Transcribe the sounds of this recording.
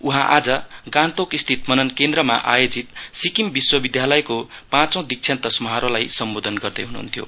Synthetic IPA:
uɦãʔad͡zʌɡãnt̪okist̪ʰit̪mʌnʌnkend̪rʌma̰ʔajod͡zit̪sikimbiswʌbid̪ʱjalʌjkopãt͡sõw̃d̪ik̚t͡sʰjant̪ʌsmʌɦaɾolajsʌmbod̪ʱʌnɡʌrd̪ʌjɦunṵːnt̪ʰjo̰

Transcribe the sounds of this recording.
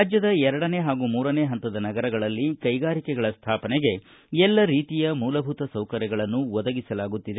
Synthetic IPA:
ad͡ʒjɐd̪ɐɛɾɐɽɐne̞ːɦaːɡuːmuːɾɐne̞ːɦɐnt̪ɐd̪ɐnɐɡɐɾɐɡɐɭɐlːikɐjɡaːɾikɛɡɐɭɐst̪ʰaːpɐneɡe̞ | ɛlːɐɾiːt̪ijɐmuːlɐbʱut̪ɐsɐwkɐɾjɐɡɐɭɐnːuʋɔd̪ɐɡisɐlaːɡut̪ːid̪e

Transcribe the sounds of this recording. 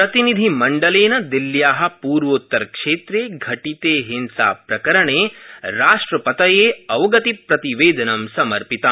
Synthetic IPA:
pɾɐt̪inid̪ʱimɐɳɖɐleːnɐd̪iljaːɦɐ̆puːɾʋot̪ːɐɾkʂeːt̪ɾeːɡʱɐʈit̪eːɦinsa̰ːpɾɐkɐɾɐɳeːɾaːʂʈɾɐpɐt̪ɐjeːɐʋɡɐt̪ipɾɐt̪iʋeːd̪ɐnɐmsɐmɐɾpit̪a

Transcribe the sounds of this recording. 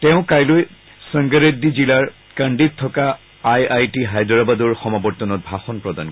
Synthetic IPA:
tɛʊ̃kajloj | sə̃ŋɡəɹedizilaɹ | kaɳɖitʰːɔka | ajajtiɦajdɹabadɔɹxɔmabɔɹtɔnɔt̚bʱaxɔnpɹɔda̰n

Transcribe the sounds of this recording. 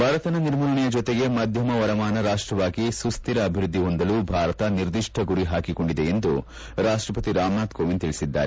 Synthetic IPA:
bʱaːɾɐt̪ɐnɐniɾmuːlɐɳijɐd͡ʒot̪eɡe̞mɐd̪ʱjɐmɐʋɐɾɐmaːnɐɾaːʂʈɾɐʋaːɡisust̪iɾɐːbʱiɾud̪ʱːiɦond̪ɐluːbʱaːɾɐt̪ɐniɾd̪iʂʈʰɐɡuɾiɦaːkiko̞ɳɖid̪e̞end̪u | ɾaːʂʈɾɐpɐt̪iɾaːmnaːt̪koːʋint̪iɭisid̪ːa̰ːɾe

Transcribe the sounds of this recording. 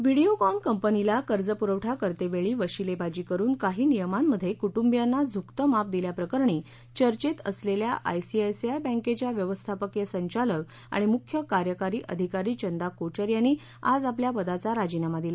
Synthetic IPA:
ʋiɽijokɔnkəmpənilakəɾd͡zəpuɾəʋʈʰakəɾt̪eʋeɭiːʋəɕilebad͡ʑiːkəɾuːnkaɦiːnijəmanməd̪ʱjekuʈumbjanːad͡zʱukt̪əmap̚d̪iljapɾəkəɾɳiː | t͡ɕəɾt͡ɕet̪ə̰sleljaʔa̰jsiajsiajbə̃ŋket͡ɕjaʋjəʋəst̪ʰapəkjəsəɲt͡ɕalək | a̰ɽ̃imukʰjəkaɾjəkaɾiːʔəd̪ʱikaɾiːt͡ɕənd̪akot͡ɕəɾjanːiː | a̰d͡zapljapəd̪at͡saɾad͡ʑinamad̪ila

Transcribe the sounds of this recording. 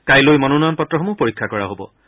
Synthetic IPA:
kajlojmɔnunɔɔnpɔtɹɔxɔmupoɹikʰːakɔɹa̰ɦobɔ̰

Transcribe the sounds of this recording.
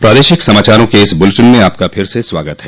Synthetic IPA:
pɾaːd̪eːʃɪksɐmaːt͡ʃaːɾõkeɪsbʊlʈənmẽaːp̚kapʰɪɾseswaːɡət̪ɦɛː

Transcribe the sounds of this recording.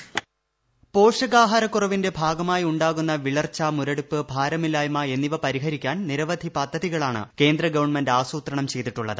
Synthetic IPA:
po̞ːʂɐɣaːɦɐɾɐkːurɐʋinde̞bʱaːɡɐmaːjiuɳɖaːɣunːɐʋiɭɐrt͡ɕːamuɾɐɽupːɨbʱaːɾɐmilaːjmɐe̞nːiʋɐpɐɾiɦɐɾikʲːaːnniɾɐʋɐd̪ʱipɐd̪ʱːɐðiɣɐɭaːɳɨ̰ke̞ːnd̪rɐɡɐʋɐɳmendaːsuːt̪ɾɐɳɐmt͡ɕe̞jt̪ːiʈːuɭːɐðɨ̰

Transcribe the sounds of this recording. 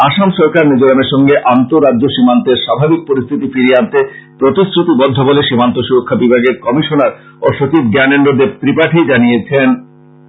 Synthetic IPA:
aʃamʃɔɾkaɾned͡ʑoɾameɾʃɔŋɡeʔant̪oɾadːoʃimant̪eɾʃabʱabik̚poɾist̪ʰit̪ifiɾiant̪epɾot̪isɾut̪ibɔd̪ʱːoboleʃimant̪oʃuɾokʰːabibʱaɡeɾkɔmiʃonaɾ | oʃot͡ɕibɡɛneɳɖod̪ep̚t̪ɾipaʈʰid͡ʑanijet͡ɕʰen

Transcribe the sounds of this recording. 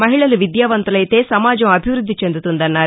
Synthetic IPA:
mɐɦiɭɐluʋid̪jaːʋɐnt̪ɐlɐjit̪eːsɐmaːd͡ʒɐmɐbʱiʋɾud̪ʱːit͡ʃe̞nd̪ut̪und̪ɐnːaː

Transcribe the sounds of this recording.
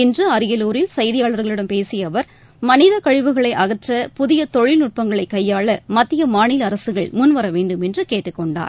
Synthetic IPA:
ɪndrɯɐɾɪjɐloːɾɪlsɐjðɪjaːɭɐɾɣɐɭɪɽɐmpeːsɪjɐʋɐɾ | mɐnɪðɐkɐɻɪʋɯɣɐɭɐɪʔɐɣɐʈrɐpʊðɪjɐt̪ɔɻɪlnʊʈ̚pɐŋɡɐɭɐɪkːɐjːaːɭɐmɐt̪ːɪjɐmaːɳɪlɐɾɐsɯɣɐɭmʊnʋɐɾɐʋeːɳɖɯmɛndrɯkeːʈːɯkːɔɳɖa̰ːɾ

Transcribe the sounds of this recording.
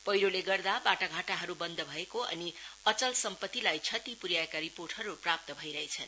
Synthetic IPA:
pʌjɾoleɡʌrd̪abaʈaɡʱaʈaɦʌɾubʌnd̪ʱʌbʱʌekoʔʌ̰niʌt͡sʌlsʌmpʌt̪ːilajt͡sʰʌt̪ipuɾjaekaɾiporʈɦʌɾuprap̚t̪ʌbʱʌjɾʌɦet͡sʰʌn

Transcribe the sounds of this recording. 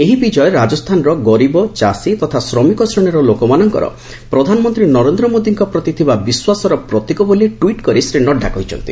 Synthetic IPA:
eɦibid͡ʒɔeɾad͡ʒɔst̪ʰanɔɾɔɡɔɾibɔt͡ʃasit̪ɔt̪ʰasɾɔmikɔsɾɔɽ̃iɾɔlokɔmanɔŋkɔ̰ɾɔ̰ | pɾɔd̪ʱanɔmɔnt̪ɾinɔɾend̪ɾɔmod̪iŋkɔpɾɔt̪it̪ʰibabiswasɔɾɔpɾɔt̪ikɔbolieʈwiʈkɔɾisɾinɔɖʱakɔɦit͡ʃʰɔ̰nt̪i

